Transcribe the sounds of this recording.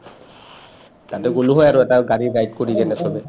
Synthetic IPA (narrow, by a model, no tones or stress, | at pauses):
tatɛɡoluɦɔjaɹoɛtaɡaɹiɡajit̚koɹiɡɛnɛsɔbɛ